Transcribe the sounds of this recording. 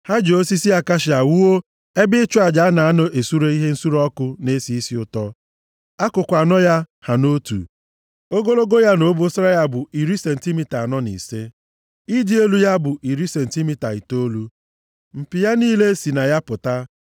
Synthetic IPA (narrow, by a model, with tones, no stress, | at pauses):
ha˦d͡ʒo˦si˦si˦a˦ka˦ʃɪ˨a˨wu˦o˦ | e˦bɪ˦t͡ʃʊ˦a˨d͡ʒa˨a˦na˨a˦nɔ˨ʔe˨su˦ɾe˦i˦ɦe˦n̩˦su˦ɾɔ˦kʊ˦ne˦si˨˦i˦si˦ʊ˦tɔ˦ | a˦kʊ˨kʷa˨nɔ˦ja˦ | ha˨no˦tṵ˨ | o˦ɡo˦lo˦ɡo˦ja˦no˨˦bʊ˦sɾa˦ja˦bʊ˨i˨ɾi˦se˨n̩˨ti˦mi˨ta˨nɔ˦nḭ˨se˦ | i˦di˦e˦lu˦ja˦bʊ˨ʔi˨ɾi˦se˨n̩˨ti˦mi˦ta˨i˨to˦lu˦ | m̩˨pɪ˨ja˦niː˦le˦si˨na˨ja˦pʊ˨ta˦